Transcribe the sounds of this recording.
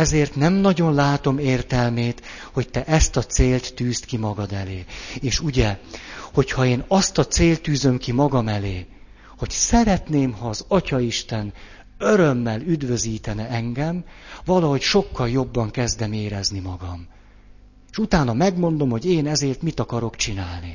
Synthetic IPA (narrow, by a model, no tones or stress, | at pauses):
ɛzeːrt̪nɛmnɒɟo̞nlaːt̪o̞meːrt̪ɛlmeːt̪ho̞c̚t̪ɛʔɛst̪ɒt̪seːlt̪ːyːst̪kimɒɡɒd̪ɛleːeːʃuɟɛho̞chɒeːnɒst̪ɒt̪seːlt̪ːyːzø̞mkimɒɡɒmɛleː | ho̞csɛɾɛt̪neːmhɒːzɒcɒiʃt̪ɛn | øɾømːɛlyd̪vø̞ziːt̪ɛnɛɛŋɡɛmvɒlɒɦocʃo̞kːɒljo̞bːɒŋkɛzd̪ɛmeːɾɛznimɒɡɒm | eʃut̪aːnɒmɛɡmo̞nd̪o̞mho̞ɟeːnɛzeːrt̪mit̪ɒkɒɾo̞kt͡ʃinaːlni